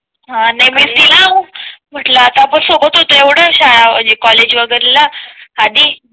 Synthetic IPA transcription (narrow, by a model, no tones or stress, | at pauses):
ɦãnajm̤it̪ilawm̤əʈlaːt̪apəɳsokət̪ɦot̪oeʋɽ̤əɕajaməɳd͡ʑekɔled͡ʑʋəɡəɾlaad̪i